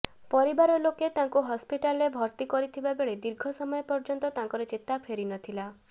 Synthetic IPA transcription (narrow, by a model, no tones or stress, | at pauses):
pɔɾibaɾɔloket̪aŋkuɦɔspiʈalebʱɔɾt̪ikɔɾit̪ʰibabeɭed̪iɾɡʱɔsɔmɔjepɔɾd͡ʒɔnt̪ɔt̪ãŋkɔɾɔt͡ʃet̪apʰeɾinɔt̪ʰila